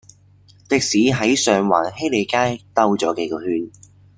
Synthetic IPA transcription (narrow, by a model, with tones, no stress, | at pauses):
t̪ɪ˨k̚siː˨˥ɦɐ˨˥jsœː˨ŋwa̰ː˨˩nhe˥le˨˧jkaː˥jt̪ɐ˥wt͡sɔː˨˥ke˨˧˥kɔː˧hyː˧n